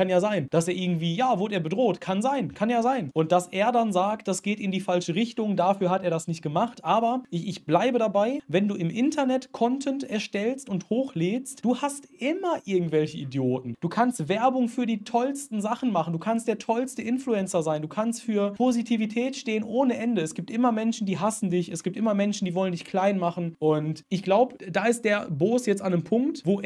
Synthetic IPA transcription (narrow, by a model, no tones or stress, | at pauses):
kanjaːzaɪnd̥aseːɐʔɪɐɡŋ̩tv̥iːjaːvʊɐɾeːɐbədʁoːtkʰanzaɪnkʰanjaːzaɪnʔʊnt̚d̥asʔeːɐdanzaːk̚td̥asɡ̥eːtɪndiːfalʃəʁɪçtʊŋdafyːɐhateːɐdasnɪçt̚ɡ̥əmaχtʔaːbɐʔɪçɪçb̥laɪbədabaɪvɛnduːɪmʔɪntʰɐnɛtkʰɔntʰɛntɛɐʃtɛlstʊnthoːxleːstd̥uːhastʔɪmɐʔɪɐɡŋ̩tv̥ɛlçəidjoːtn̩d̥uːkʰanstv̥ɛɐbʊŋfyːɐdiːtʰɔlstn̩zaχn̩maχn̩duːkʰanst̚d̥eːɐtʰɔlstəʔɪnfluɛnt͡sɐzaɪnduːkʰanstfyːɐpʰozitʰivitʰɛːtʃteːənʔoːnəʔɛndəɛsɡ̥iːp̚tʔɪmɐmɛnʃn̩diːɦasn̩dɪçʔɛsɡ̥iːp̚tʔɪmɐmɛnʃn̩diːvɔləndɪçkʰl̥aɪnmaχn̩ʔʊntʔɪçɡ̥laʊbəd̥aːɪst̚d̥eːɐboːsjɛt͡standeːmpʰʊŋktvoː